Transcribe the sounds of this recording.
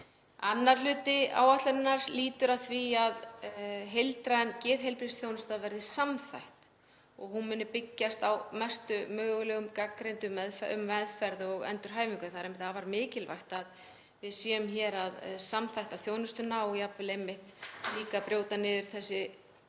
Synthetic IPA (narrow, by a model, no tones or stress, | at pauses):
anːaɾ̥lʏːt̪ɪa̰ːwat̪lœɾɪnːaɾ̥liːt̪ʏɾaðθviaðɦejlt̪ɾaɛncɪːðɦejlpɾisθjownʏst̪aðvɛɾðɪsamθa̰jht̪ | ɔɣɦunmɪnːʏpɪcːast̪awmɛst̪ʏmœːɣʏlɛɣʏmkakːɾejnt̪ʏmɛðfʏ̰mvɛðfɛɾðɔɣɛ̰nt̪ʏɾ̥ɦaːjviŋkʏθaɾejmɪ̥ht̪havaɾmɪːcɪlva̰jht̪að | vɪðsjɛʏmçɛːɾaðsamθajht̪aθjoːwnʏst̪ʏnaːwijapvɪlejmːɪht̪liːkapɾjoːwt̪anɪːðʏɾ̥θɛsːɪ